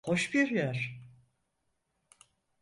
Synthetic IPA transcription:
hoʃbiɾjæɾ̥

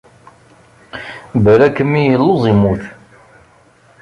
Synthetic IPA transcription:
bəɾækːəmːijəlːozˤimuθ

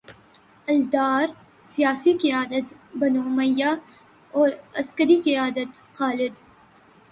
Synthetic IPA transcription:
ɐld̪aːɾ | sijaːsikɪjaːd̪ət̪bɐnoːməjːa | ɔːɾɐskəɾikɪaːd̪ət̪ | xaːlɪd̪

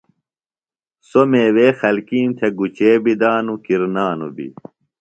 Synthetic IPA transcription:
someːweːxɐlkiːmt̪ʰeɡut͡ɕeːbid̪aːnukiɾnaːnṵbḭ

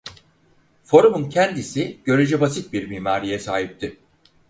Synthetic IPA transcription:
fo̞ɾumuncʰɛnd̪isiɟ̥ø̞ɾyd͡ʒɛbasit̪̚biɾmiːmaːɾijɛsaːɦip̚t̪ʰɪ

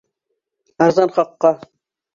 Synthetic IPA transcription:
ɑɾzɑnχɑqːɑ

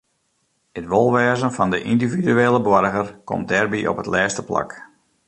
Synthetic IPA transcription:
ətʋolˠʋɛːzənfɑndəʔindividyeːləbwɔɾɣərkɔ̰mt̚dɛrbiʔɔ̰pɦətlɛːstəpla̰k

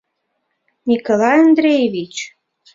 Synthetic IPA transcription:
nʲikolɑjand̪ɾejeβit͡ɕ

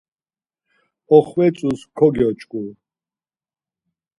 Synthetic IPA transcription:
ɔχwɛt͡sʼuskʰɔɡɔt͡ʃʼkʼu

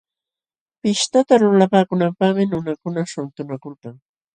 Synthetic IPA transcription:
pɪʃt̪at̪alʊlapaːkʊnampaχmɪnʊnakʊnaʃʊnt̪ʊnakʊlkaŋ

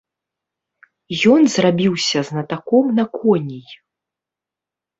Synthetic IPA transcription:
jɔnzrabʲiwsʲɐznɐt̪akɔmnɐkʰɔnʲij

